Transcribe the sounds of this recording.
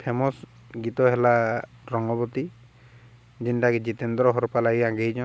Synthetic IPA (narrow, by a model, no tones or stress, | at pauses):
pʰemɔs | ɡit̪ɔɦelaɾɔŋɡɔbɔt̪i | d͡ʒinʈakid͡ʒit̪end̪ɾɔɦɔɾpalaɡiãɡejd͡ʒɔ̃